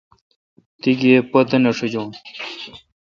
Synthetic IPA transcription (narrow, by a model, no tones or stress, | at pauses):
t̪iɡepɐt̪ɐnɐʂid͡ʑõː